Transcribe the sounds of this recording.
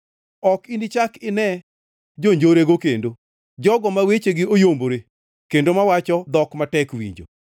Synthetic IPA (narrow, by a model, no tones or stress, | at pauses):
ɔkinit͡ʃakɪnɛ | d͡ʒoɲd͡ʒoɾeɡokendo | d͡ʒɔɡɔmawet͡ʃeɡɪojomboɾe | kendomawat͡ʃɔd̪ɔkmatɛkwḭɲd͡ʒo̰